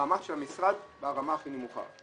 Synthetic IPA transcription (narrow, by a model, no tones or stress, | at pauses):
amatʃeamisʁad̪beaʁamaaχinemuχa̰